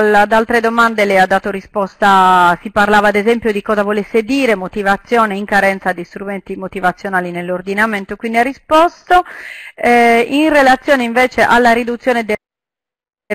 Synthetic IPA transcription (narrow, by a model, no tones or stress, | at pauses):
d̪alt̪ɾed̪omand̪elɛad̪ːaːt̪orispɔst̪asiparlaːvaːd̪ezɛmpjod̪ikɔːzavolesːed̪iːɾemot̪ivat̪sːjɔːneiŋkaɾɛnt̪sad̪ist̪ɾument̪imot̪ivat̪sːjonaːlinelːord̪inament̪okwind̪iarispɔst̪oɛinrelat̪sːjɔːneiɱvɛːt͡ʃeʔalːaɾid̪ut̪sːjɔːned̪e